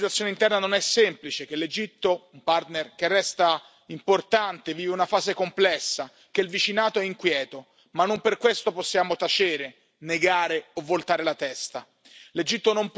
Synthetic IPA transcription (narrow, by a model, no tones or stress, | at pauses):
it̪wat̪sjoneint̪ɛrnanonɛsːɛmplit͡ʃek̟elːed͡ʒit̪ːoumpart̪nerk̟erːɛst̪a | import̪ant̪eviːveunafaːzekomplɛsːa | k̟eilvit͡ʃinaːt̪oɛiŋkwjɛːt̪o | manːomperkwest̪oposːjaːmot̪at͡ʃeːɾe | neɡaːɾeovːolt̪aːɾelat̪ɛst̪a | led͡ʒit̪ːonomp